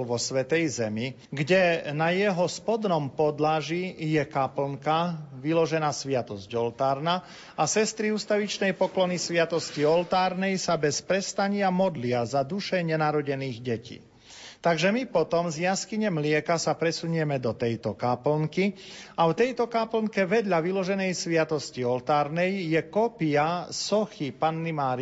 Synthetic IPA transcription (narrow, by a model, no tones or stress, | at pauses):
ʋɔsʋɛt̪ɛjzɛmi | ɡɟɛnajɛɦɔspɔd̪nɔmpɔd̪laʒijɛkapl̩ŋkaʋilɔʒɛnaːsʋɪat̪ɔzɟɔlt̪aːɾna | asɛst̪ɾiuːst̪aʋit͡ʃnɛjpɔklɔnisʋɪat̪ɔsciɔlt̪aːɾnɛjsabɛspɾɛst̪aɲɪamɔd̪lɪazad̪uʃɛɲɛnaɾɔɟɛniːɣɟɛcḭː | t̪aɡʒɛmipɔt̪ɔmzjaskiɲɛmlɪɛkasapɾɛsuɲɛmɛd̪ɔt̪ɛjt̪ɔkaːpl̩ŋkiawt̪ɛjt̪ɔkaːpl̩ŋkɛʋɛd̪ʎaʋilɔʒɛnɛjsʋɪat̪ɔsciɔlt̪aːɾnɛjjɛkɔpiasɔxipanːimaːɾi